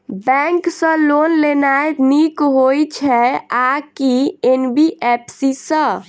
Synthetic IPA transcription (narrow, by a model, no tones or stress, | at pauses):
bɛ̃ŋksə̃lonlenajnikɦojt͡ʃʰɛakienbiʔepʰsisə̃